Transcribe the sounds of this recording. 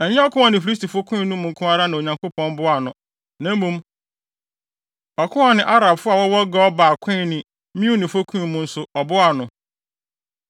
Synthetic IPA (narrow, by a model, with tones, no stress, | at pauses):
ɛ˨ɲɛ̃˦ɔ˦kʰʊ̃˦a˨nɪ̃˨fi˦sti˨fo˦kʰũ˦ĩ˦nũ˦mʊ̃˨ŋ̩˨kʰʊ̃˦a˦ɾa˦nã˨o˨ɲã˨ŋko˦pʰɔ̃˦n˦bʊ˦a˨nʊ̃˨ | nã˨˦m̩˦mũ˦m | ɔ˨kʰʊ̃˦a˨nɪ̃˨ʔa˦ɾa˨bfʊ˦a˨wɔ˦wɔ˦ɡɔ˦ɔ˦baː˨kʰʊ̃˦nɪ̃˨ | mĩ˦u˦nɪ̃˨fo˦kʰũ˦i˨mʊ̃˦n̩˦sʊ˨ɔ˨bʊ˦a˨nʊ̃˨